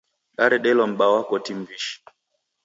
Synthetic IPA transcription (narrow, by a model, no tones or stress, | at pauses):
ɗaɾɛɗɛlɔm̩ɓawakɔtimbiʃi̥